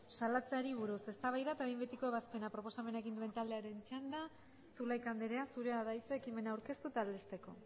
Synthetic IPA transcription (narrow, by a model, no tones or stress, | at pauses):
salat͡seaɾiβ̞uɾuse̞st̪aβajðat̪aβejmbe̞t̪iko̞e̞βaspe̞napɾo̞po̞same̞naeɣind̪ue̞nt̪ald̪e̞aɾe̞nt͡ʃand̪a | sulajkand̪eɾe̞asuɾe̞aðajt͡seːkime̞nawɾke̞st̪ut̪aːld̪est̪e̞ko̞